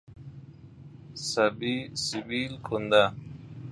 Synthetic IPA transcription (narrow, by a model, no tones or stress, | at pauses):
sabisibilkʰʼund̪a